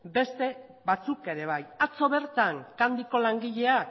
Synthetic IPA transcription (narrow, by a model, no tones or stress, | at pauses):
be̞st̪e̞ | βat͡suke̞ɾe̞β̞ajat͡so̞βe̞ɾt̪aŋkand̪iko̞laŋɡiʎe̞a